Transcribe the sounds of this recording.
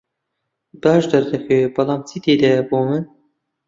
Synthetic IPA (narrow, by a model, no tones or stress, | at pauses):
bɑːʒd̪ɐɾd̪ɐxebɐlˠɑːmt͡sʰid̪eːd̪ɛboːmɨn